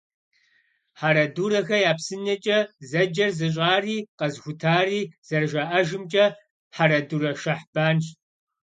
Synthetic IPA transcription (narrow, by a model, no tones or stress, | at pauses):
ħaɾɐduːɾɐxɐjaːpsɨnɐt͡ʃʼɐzɐd͡ʒɐrzɨɕ̬ʼaːriːqɐzxʷʊtʰaːriːz̥ɐrʒaʔɐʒɨmt͡ʃʼɐ | ħaɾɐduːɾɐʃɐħb̥aːnɕ